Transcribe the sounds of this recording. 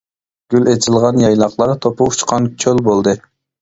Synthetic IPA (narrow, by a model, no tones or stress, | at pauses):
ɡ̥ʲylet͡ʃʰɪlˠʁɑnjɑjlˠɑqlˠɑɾt̪ʰopuut͡ʃqʰɑnkʰølbolˠd̪ɨ